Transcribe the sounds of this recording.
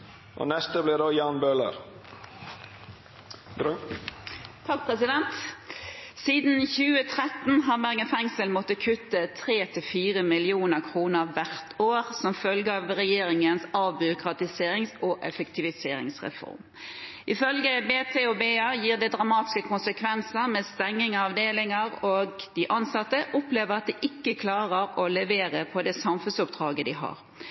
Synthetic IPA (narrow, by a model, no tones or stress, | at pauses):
ʔo̰ːnɛst̪əblid̪oːjɑːnbøːlə̰ɾ | t̪ʰɑk̚pʰʁɛsɪd̪ɛnt̪ | siːd̪n̩çʉːət̪ʰʁɛt̪n̩ɦɑʁbæʁɡənfɛŋsəlmɔt̪ːəkʰʉt̪ːət̪ʰʁeːt̪ʰɪfiːʁəmɪlɪuːnəʁkʰʁuːnəʁʋæʁt̪ʰoːʁsɔmfœlɡəɑʋʁɛjeːɾɪŋənsɑʋbʏɾʊkɾɑt̪ɪseːɾɪŋsɔʔɛfɛkt̪ʰɪʋɪseːɾɪ̰ŋsʁɛ̰fɔ̰ɾm | ʔɪfœlɡəbeːt̪ʰeːɔbeːɑːjiːʁd̪ɛd̪ɾɑmɑːt̪ɪ̥skəkʰʊnsəkʰʋɛnsəɾmɛst̪ɛŋːɪŋɑɑʋd̪eːlɪŋɑɾoɡd̪ɪʔɑnsɑt̪ːəʔɔpleːʋəʁɑt̪̚d̪ɛʔɪkːəkʰlɑːʁəɾɔlɛʋeːɾəpʰɔd̪ɛsɑmfʉnsʊpd̪̥ɾɑːɡəd̪ɪɦɑ̰ʁ